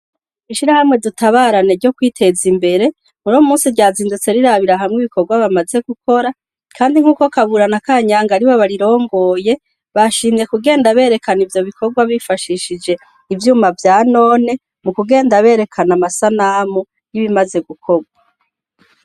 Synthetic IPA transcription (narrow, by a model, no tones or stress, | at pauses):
iʃiɾahamŋe̞dutaβaːɾane̞ɾɟo̞kwiːtʰe̞zimbe̞ɾe̞ | muɾomuːsiɾɟaːziːndut͡se̞ɾiɾaβiɾaɦamŋiβiko̞ɾɡwaβamaze̞ɡuko̞ɾa | kʰaːndiŋ̥uːko̞kaβuɾanakaːɲaːŋɡaɾiβo̞βaɾiɾo̞ːŋɡo̞ːje̞ | βaʃiːmije̞kuɡe̞ːndaβe̞ːɾe̞kʰanivjo̞βikʰo̞ɡwaβifaʃiːʃid͡ʒe̞ | ivjuːmavjaːno̞ːne̞ | mukuɡe̞ːndaβe̞ːɾe̞kʰanamasanamu | jiβimaze̞ɡukʰo̞ɡwa